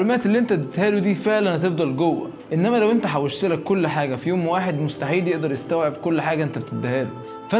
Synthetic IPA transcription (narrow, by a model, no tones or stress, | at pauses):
lmæːt̪elːiːʔent̪æt̪et̪hæːlud̪iːfeʕlænht̪ebd̪ɑlɡowːæ̰ | ʔenːæmælæwʔent̪æħawoʃt̪elækːolːħaːɡæfijoːmwaːħed̪most̪aħiːd̪jeʔd̪ɑɾˤjest̪æwʕebkolːħaːɡæʔent̪æbet̪et̪ːæhæːlu | fæ